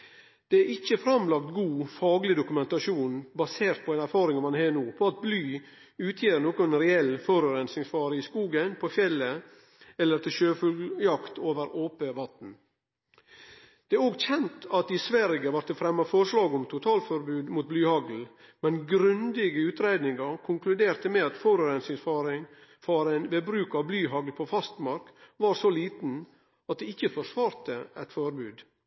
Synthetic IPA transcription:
d̪̥ɛæɾɪçəfɾɑmlɑk̚t̪ɡuːfɑːɡlɪd̪ʊkʉmɛnt̪ɑʃuːnbɑseːɾt̪̚pʰɔɛnæɾfɑːɾɪŋmɑnheːnuːpʰɔɑt̪̚blyː | ʉːt̪ʰjeːɾnoːkɔnɾɛɛlːfɔɾʉɾɛnsɪŋsfɑːɾəɪskuːɡənpʰɔfjɛlːə | ɛlːəɾt̪ʰɪlʃøːfʉlɡjɑkt̪ʰoːʋəɾoːpəʋɑt̪n̩ | d̪̥ɛæɾoːɡçɛnt̪ɑt̪̚d̪ɪsʋæɾɪɡəʋɑɾt̪ʰɪlfɾɛmːɑfɔɾʂlɑːɡɔmt̪ʰʊt̪ʰɑːlfɔɾbʉːd̪muːt̪̚blyːhɑɡl̩mɛnɡɾʉnd̪ɪɡəʉːt̪ɾeɪd̪nɪŋɑɾkʰʊŋklʉd̪eːɾt̪əmɛɑt̪fɔɾʉɾɛnsɪfɑːɾɪŋfɑɾæɪnʋebɾʉːkɑʋblyːɦɑɡlpʰɔfɑst̪mɑɾkʋɑːɾsoliːt̪n̩ | ɑt̪̚d̪ɛɪçːəfɔʂʋɑːɾt̪əɛt̪fɔɾbʉːd̪

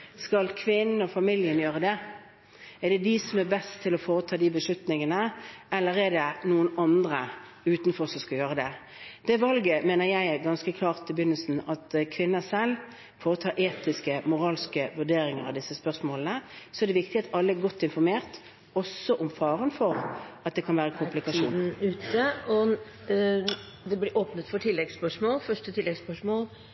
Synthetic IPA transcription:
skɑlkʰʋɪnɔfɑmɪljənjøːɾəd̪ɛ | ɛd̪ɛd̪ɪsɔmɛbɛst̪ʰːɪlɔfoːɾət̪ʰɑːd̪ibəʂʉt̪nɪŋənəɛlːəɾɛd̪ɛnuːənɑnd̪ʁə | ʉːt̪n̩fɔʁsɔskɑjøːʁəd̪ɛ | d̪̥ɛʋɑlɡəmeːnəɾjæɪɛɡɑnskəkʰlɑːʁt̪ʰɪlbjʏnːəlsn̩ɑt̪kʰʋɪnːəsɛlː | fɔːʁt̪ʰɑːʔeːt̪ɪskəmʊʁɑːlskəʋʉd̪eːɾɪŋəɾɑʋd̪ɪsːəspœʁsmoːlənəsɔɛʁd̪ɛʋɪk̚t̪ɪɑt̪ʰɑlːəæɡɔt̪ʰːɪnfɔʁmeːʁt̪ | ɔsːɔʔʊmfɑːʁənfɔʁɑt̪̚d̪ɛkʰɑnʋæːʁəkʰʊmplɪkɑʃuːnʉːt̪əɔ | d̪ɛblɪɾʔoːpnət̪fɔʈʰɪlːɛɡspœʂmoːlfœʂʈət̪ʰɪlːɛɡspœʂmoːl

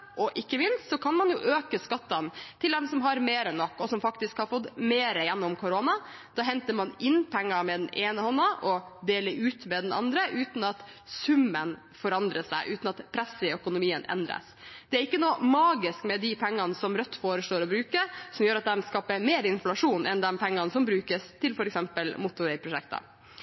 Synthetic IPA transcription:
ʔɔʔɪkːəmɪnst̪sɔkʰɑnmɑnjʊʔøːkəskɑt̪ːɑnt̪ʰɪld̪ɛmsɔmɦɑɾmeːɾənːɔkːɔsɔmfɑkt̪ɪskhɑɾfɔt̪ːmeːɾəjɛnːɔmkʰʊɾonɑd̪̥ɑːɦɛnt̪əɾmɑnɪnːpʰɛŋːɑmɛd̪ɛnʔeːnəhɔnːəʔɔd̪eːləɾʉːt̪mɛd̪ɛnɑ̰nd̪ɾəʔʉːt̪nɑt̪ | sʉmːən | fɔɾɑnd̪ɾəsæ̰ɪʔʉːt̪nɑt̪pʰɾɛsɪœkʊnʊmiːənʔɛ̰nd̪ɾə̰s | d̪̥ɛæɾɪkːənuːmɑːɡɪskmɛd̪ɪpʰɛŋːɑnsɔmɾœt̪ːfoːɾəʂloːɾɔbɾʉːkəɾsɔmjøːɾɑt̪̚d̪ɛnskɑːpəmeːɾɪnflɑʂuːnʔɛ̰nd̪ɛnpʰɛŋːɑnsɔmbɾʉːkəst̪ʰɪlfɔɾɛksɛmpəlmʊt̪ʊɾɛɪpʰɾʊʂɛ̰kt̪ɑ̰

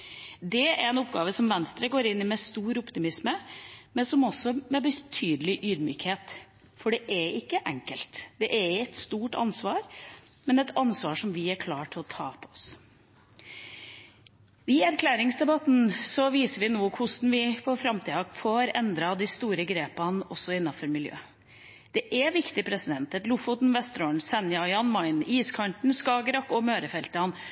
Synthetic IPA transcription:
d̪ɛæɾɛnʊpɡɑːʋəsɔmʋɛnst̪ɾəɡoːɾɪnːɪmɛst̪uːɾʊpt̪ɪmɪsməmɛnsɔmɔsːɔmɛbət̪ʰyːd̪əlɪʔyːd̪my̰ːkheːt̪ | fɔɖɛʔɛɪkːəʔɛŋkəlt̪d̪̥ɛʔɛɾɛt̪st̪uːʈɑ̰nsʋɑːɾ | mɛnɛt̪ʰɑnsʋɑːʂɔmʋɪæɾkʰlɑːʈʰɪlɔt̪ʰɑːpʰɔɔs | ʋɪæɾkʰlæːɾɪŋsd̪ɛbɑt̪nsɔʋiːsəɾʋɪnuːkʰʊsnʋɪpʰɔfɾɑmt̪ʰiːɑfoːɾɛnd̪ɾɑd̪ɪst̪uːɾəɡɾeːpɑnɔsːɔɪnːɑfɔɾmɪljø̰ː | d̪̥ɛʔɛʋɪkt̪ɪpʰɾɛsɪd̪ɛnt̪ɛt̪lʊfɔt̪nʋɛst̪ɾoːɳ̩sɛnjɑjɑnmɑɪniːskʰɑɳʈɳ̩skɑːɡɾɑkːɔmøːɾəfɛlt̪əɑn

